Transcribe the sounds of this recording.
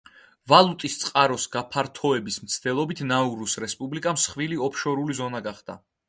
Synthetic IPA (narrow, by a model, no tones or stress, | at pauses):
valˠut̪ʼist̪sʼqʼaɾɔsɡ̥apʰaɾt̪ʰɔɛbismt̪sʰd̪̥ɛlˠɔbit̪ʰnauɾusɾɛspʼublikʼamsχviliɔpʰʃɔɾulizɔnaɡaχd̪̥a